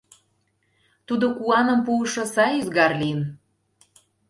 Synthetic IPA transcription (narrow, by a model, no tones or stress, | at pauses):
t̪ud̪okuɑnə̆mpuəʃŏsɑjyzɣɑrliən